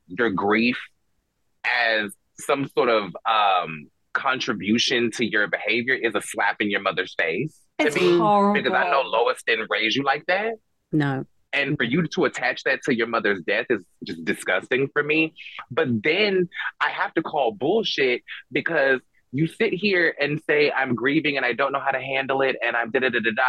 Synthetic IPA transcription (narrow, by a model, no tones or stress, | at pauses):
jə˞ɡɹif | ʔɨz̥ | sʌ̃msɔɹɾʌv̥ʌ̃m | kʰɑ̃nt͡ʃɹ̥ɨbjʉʃɨ̃ntʰɨjə˞bɨheɪvjə˞ʔɪzəslæpɪ̃ŋjə˞mʌðə˞z̥feɪs | tɨmĩb̥ɨkʰʌzaɪnoʊloʊəstɨ̃nɹeɪzɨlaɪk̚ðæt̚ | no | ɨ̃nfə˞jɨɾəːtʰæt͡ʃðɨtʰɨjə˞mʌðə˞zdɛθɨtsd̥ʒ̥ʌsd̥ɨskʌstɪ̃ŋfə˞mib̥ʌt̪̚ðɨ̃nʔaɪhæftɨkʰɔlˠbʊlˠʃɪt̚b̥ɨkʰʌz | jɨsɪt̚ɦiɹɨ̃nseɪʔã̰ɪ̃mɡɹivɪ̃ŋɨ̃naɪdõʊ̃nːoʊɦaʊɾɨɦæ̃ndˡl̩ˠɪɾɨ̃ñãɪ̃mdɪɾɨɾɨɾɨdɑ